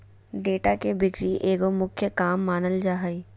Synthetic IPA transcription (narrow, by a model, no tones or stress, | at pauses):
ɖeːʈakebɪkɾiʔeːɡomʊkʰjəkaːmːaːnəld͡ʒaːɦi